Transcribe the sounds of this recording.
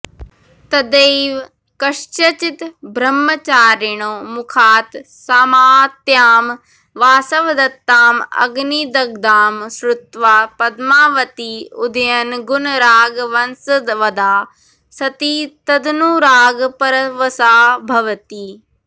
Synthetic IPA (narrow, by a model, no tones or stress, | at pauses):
t̪ɐd̪eːʋ | kɐʂt͡ʃɐt͡ʃit̪bʱɾɐmːɐt͡ʃaːɾɪɳ̃oːmʊkʰaːt̪ | saːmaːt̪jaːm | ʋaːsɐʋd̪ɐt̪ːaːmɐ̰ɡnid̪ɐɡd̪aːmsɾʊt̪ʋaːpɐd̪maːʋɐt̪iːʊd̪ɐjɐnɡʊnɾaːɡʋɐnsɐd̪ʋɐd̪aː | sɐt̪iːt̪ɐd̪nuːɾaːɡpɐɾɐʋɐsaːbʱɐʋət̪iː